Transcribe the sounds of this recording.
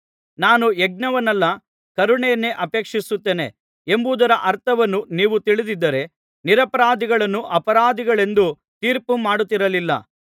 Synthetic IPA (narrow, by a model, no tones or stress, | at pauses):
naːnueɡ̚nɐʋɐnɐlːɐ | kɐɾuɳejɐnːe̞ʔɐpe̞ːkʂisut̪ːe̞ːne̞̰ | embuːd̪ɐɾɐʔɐɾt̪ʰɐʋɐnːuniːʋut̪iɭid̪id̪ːɐɾe̞ | niɾɐpɐɾaːd̪iɡɐɭɐnːuʔɐpɐɾaːd̪iɡɐɭe̞nd̪u | t̪iːɾpumaːɽut̪ːiɾɐlilːɐ̰